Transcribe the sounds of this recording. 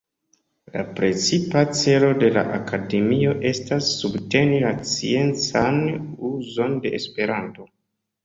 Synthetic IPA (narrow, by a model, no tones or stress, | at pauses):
la̰pɾe̞t͡sipat͡se̞lo̞de̞la̰ʔakʰade̞mio̞ʔe̞stasːubte̞nilat͡sie̞nt͡sanuzo̞nde̞̰ʔːspe̞ɾanto̞